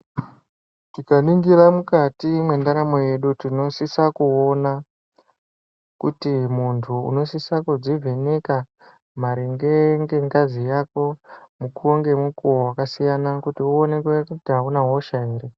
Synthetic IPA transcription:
tikaniŋɡiɾamukatimwe̞ndaɾamo̞je̞ɗutino̞sisakuo̞na | kutimuntʰṵːno̞sisakud͡zivʱeneka | maɾiŋɡe̞ŋɡe̞ŋɡazijako̞mukuoŋɡe̞mukuwakasijanakutiuone̞kwekutiɦaunaɦo̞ʃaeːɾe

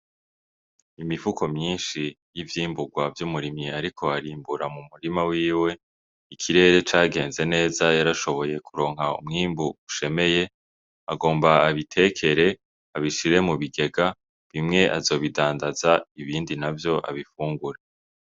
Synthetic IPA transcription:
imivukʰo̞mɲiːnʃi | jivjiːmbuɡwavjumuɾimɲiaɾikʰo̞aɾiːmbuɾamumuɾimawiːwe̞ | ikʰiɾe̞ɾe̞t͡ʃaːɡe̞ːnze̞ne̞ːzajaɾaʃo̞βo̞je̞kʰuɾo̞ːŋ̥ɦaṵmŋiːmbuuʃe̞me̞je̞ | aɡo̞ːmbaːβitʰe̞kʰe̞ɾe | aβiʃiɾe̞muβiɡe̞ɡa | βimŋe̞ʔazo̞ːβidaːndazaiβiːndinavjo̞ʔa̰βifuːŋɡuɾe

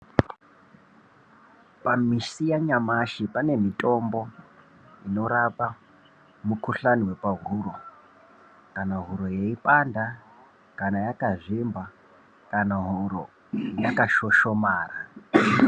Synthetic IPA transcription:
pamisijaɲamaʃipane̞mitʼo̞mbo̞ | ino̞ɾapa | mukuɬaniwe̞paɦuɾo̞ | kanaɦuɾo̞jeipʼanda | kanajakaʐimba | kanaɦuɾo̞ | jakaʃo̞ʃo̞maːra

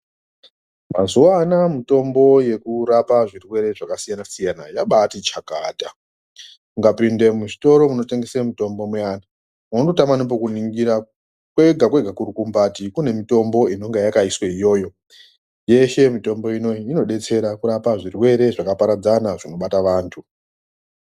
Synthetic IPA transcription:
ma̰zuwanamito̞mbo̞je̞kuɾapaʐirwe̞ɾe̞ʐakasijanasijanajaɓatit͡ʃakaːdʱa | kuŋɡapinde̞muʐito̞ɾo̞muno̞te̞ŋɡe̞semito̞mbo̞mweana | mondotamanip̬okuniŋɡiɾa | kwe̞ɡʱakwe̞ɡʱakuɾukumbatikune̞mito̞mbo̞ino̞ŋɡejakaisweijo̞ːjo̞ | je̞ʃe̞mito̞mbo̞ino̞iino̞ɗe̞t͡se̞ɾakuɾapaʐirwe̞ɾe̞ʐakapaɾad͡zanaʐino̞ɓataʋaːntʰu

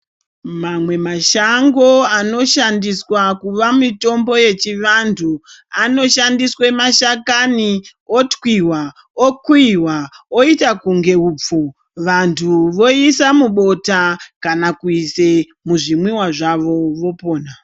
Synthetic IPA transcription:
mamwe̞maʃaŋɡo̞ano̞ʃandiswakuʋamito̞mbo̞je̞t͡ʃiʋantʰuano̞ʃandiswemaʃakaniotkwiwa | okwiwao̞itakuŋɡe̞uːp͡fo | ʋantʰuʋo̞isamuɓo̞takanakuise | muʐimwiwaʐaʋo̞ʋo̞po̞ːna

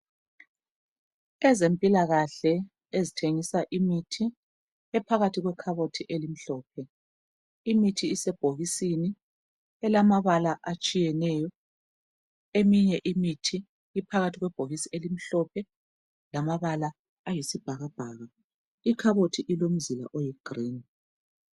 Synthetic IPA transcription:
ɛzempʼilaɣaɬɛ | ezitʰeŋisaʔimitʰi | ɛpʰaɣatʰiɣwɛkʰaβotʰiʔelim̩ɬɔːp̚ʰɛ | imitʰiːsɛb̥ʱoɣisini | ɛlamaβalaʔat͡ʃʼijɛnɛːjɔ | emiɲɛʔimitʰiː | pʰaɣatʰiɣwɛb̥ʱoɣisielim̩ɬɔpʰɛ | lamaβalaː | jisib̥ʱaɣab̥ʱaɣa | ikʰaβotʰiʔilom̩zila̰ʔɔjɛɡ̥riːn

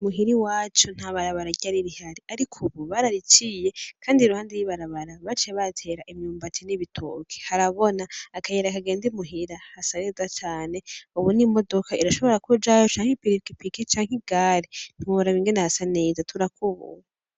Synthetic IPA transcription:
muɦiɾiwaːt͡ʃon̥aβaɾaβaɾaɟaɾiɾihaɾiaɾikʰuβuβaɾaɾit͡ʃije̞kʰaːndiɾuhaːndiɾwiβaɾaβaɾaβat͡ʃeβatʰe̞ːɾaʔimjuːmbatʰiniβitʰṵkʰe̥haɾaβo̞naːkajeɾakaɡe̞ːndimuɦiɾahasane̞ːzat͡ʃaːne̞uβunimo̞dokʰaʔiɾaʃo̞βo̞ɾakud͡ʒajo̞t͡ʃaːŋ̥hepiɾikipikit͡ʃaːŋ̥iɡ̥aɾin̥huɾaβiːŋɡenahasane̞ːzatʰuɾakuβṵ

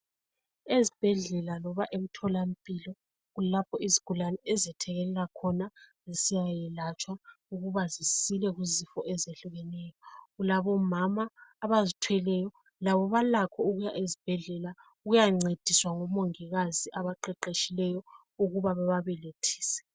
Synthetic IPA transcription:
ezib̥ʱɛɮɛlalɔβaʔem̩tʰɔlam̩pʼilɔ | ɣulapʰɔiziɡ̥ʱulanɛɛzɛtʰɛɣɛlɛlakʰɔnazisijajɛlat͡ʃʼwauɣuβazisilɛɣuzifɔʔɛzeɬuɣɛnɛjɔɣulaβɔmamaːβazitʰwɛlɛjɔ | laβɔβalakʰɔuɣujaʔezib̥ʱɛɮɛla | uɣujaŋ͡ǀed̥ʱiswaŋɔmoŋiɣaziʔaβaǃɛǃeʃilɛjɔ | uɣuβaβaβaβɛletʰi̥ːsɛ̥

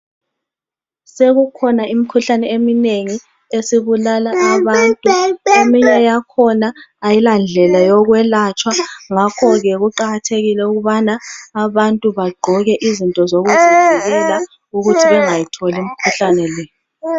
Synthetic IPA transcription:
seɣukʰɔnaimikʰuɬanɛemineŋi | esiβulalaːβantʼuemiɲɛjakʰɔnaːjiland͡ɮʱɛlajɔɣwɛlat͡ʃʰʼwaŋakʰɔɣɛɣuǃaɣatʰeɣilɛuɣuβanaːβantʼuβaɡ͡ǃʱɔɣɛʔizintʼɔzoɣuzuzɛɣɛla | uɣutʰiβɛŋajitʰɔlimikʰuɬanɛlɛː

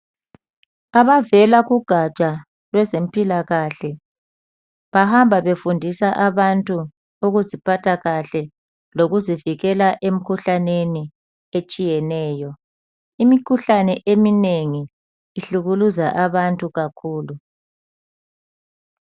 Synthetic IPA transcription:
aβavɛlaɣuɡ̥ʱat͡ʃʼa | lwɛzem̩pʼilaɣaɬɛ | βahambʱaβefundʱisaʔaβantʼu | uɣuzipʰatʰaɣaɬɛ | loɣuziviɣɛlaʔem̩kʰuɬaneni | et͡ʃʼijɛnɛːjɔ | imikʰuɬanɛʔemineŋiː | ɬuɣuluzaʔaβantʼuɣakʰuːlu

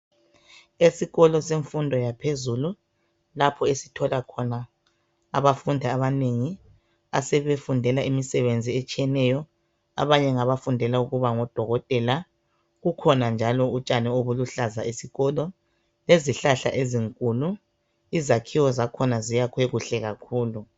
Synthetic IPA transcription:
esiɣɔlɔseɱfundʱɔjapʰezulu | lapʰɔesi̥tʰɔlakʰɔna | a̰βafundʱiaβaneŋi | asɛβefundʱɛlaʔimisɛβend͡zʱiet͡ʃʼijɛnɛjɔ | a̰βaɲɛŋaβafundʱɛlauɣuβaŋɔd̥ʱɔɣɔtʼɛla | ɣukʰɔnand͡ʒʱalɔut͡ʃʼanɛoβuluɬazaʔesiɣɔlɔ | leziɬaɬa̰ʔeziŋkʼulu | izakʰiwɔzakʰɔnazijakʰweɣuɬɛɣakʰuːlu

